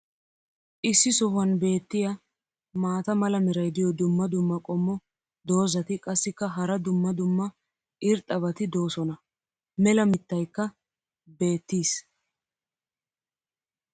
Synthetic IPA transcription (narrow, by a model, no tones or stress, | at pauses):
ʔɪsːɪsɔhʊɐnbe̞ːt̪ːɪjɐ | maːt̪ɐmɐlɐmɛɾɐjd̪ɪjɔd̪ʊmːɐd̪ʊmːɐkʼɔmːɔ | d̪o̞ːzɐt̪ɪkʼɐsːɪkːɐɦɐɾɐd̪ʊmːɐd̪ʊmːɐ | ʔɪɾt̪ʼːɐβɐt̪ɪd̪o̞ːsɔnɐ | mɛlɐmɪt̪ːɐjkːɐ | be̞ːt̪ːiːs